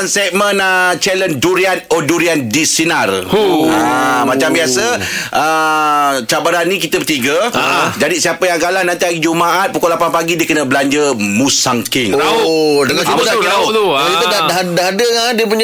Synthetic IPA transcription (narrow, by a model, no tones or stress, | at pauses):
nsɛk̚mənat͡ʃɛlənduɾianoduɾiandisinaramãt͡ʃambiasəʔə | t͡ʃabaɾanːĩkit̪əpət̪iɡəd͡ʒadisiapəjaŋɡalahnant̪iaɡid͡ʒumaʔat̪̚pukulapanpaɡidiəkənəbəlaɲd͡ʒəmũsaŋkɪŋ | dakaaaakit̪ədadadaɦadəadiəp̬uɲ